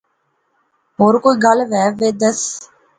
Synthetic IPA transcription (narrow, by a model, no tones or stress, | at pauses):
ɦoːɾkoːiːɡalʋɛːʋeːd̪əs